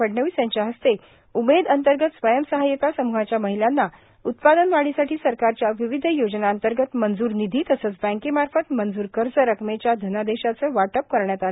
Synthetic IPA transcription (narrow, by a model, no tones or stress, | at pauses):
əɽɳəʋisjaɲt͡ɕjaɦəst̪e | umed̪ənt̪əɾɡət̪sʋəjəmsəɦajək̪asəmuɦat͡ɕjaməɦilanːa | ut̪̚pad̪ənʋaɭisaʈʰiːsəɾkaɾt͡ɕjaʋiʋid̪ʱjod͡ʑnaənt̪əɾɡət̪mənd͡zuːɾnid̪ʱiːt̪əsəːt͡sbæ̃ŋkimaɾfət̪mənd͡zuːɾkəɾt͡səɾəkmet͡ɕjad̪ʱənad̪eɕat͡səːʋaʈəp̚kəɾɳjat̪ale